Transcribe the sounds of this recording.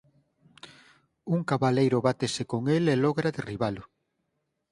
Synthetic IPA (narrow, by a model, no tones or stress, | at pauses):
uŋkaβalejɾʊβat̪esɪkoŋelelɔɣɾaðeriβalʊ